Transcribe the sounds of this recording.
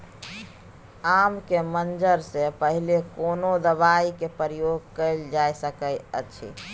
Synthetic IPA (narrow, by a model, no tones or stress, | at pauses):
amkemənd͡ʒəɾsepəɦilekonod̪əʋaikepəɾijoɡ̚kəɪld͡ʒajsəkəjə̰t͡ʃʰḭ